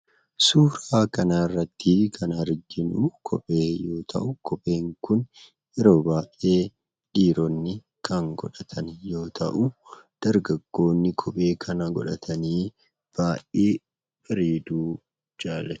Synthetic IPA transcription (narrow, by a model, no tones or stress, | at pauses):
suːɾaːkɐnaːrːɐt̪ːɪkʰɐnɐɾd͡ʒɪnukʰɔpʼeːjo̞ːt̪ʰɐ̰ʔʊkɔpʼe̞ːŋkʊn | ɛɾoːbaːʔe̞ː | ᶑiːɾɔnːɪ | kʰɐŋɡɔ̰ᶑɐt̪ʰɐnjo̞ːt̪ʰɐ̰ʔʊd̪̥ɐɾɡɐɡːo̞ːnːɪkʰɔpʼe̞ːkʰɐnɐɡɔ̰ᶑɐt̪ʰɐniː | b̥aːʔʔeː | fɐɾiːd̪uː | d͡ʒaːlɐ